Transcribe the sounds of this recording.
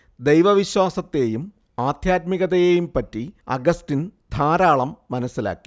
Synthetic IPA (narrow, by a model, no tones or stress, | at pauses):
d̪ejʋɐʋiɕwaːsɐt̪ːe̞ːjum | aːd̪ʱjaːt̪miɣɐðɐjejumpɐtːiɐ̰ɡɐstind̪ʱaːɾaːɭɐmːɐnɐsːila̰ːkːi̥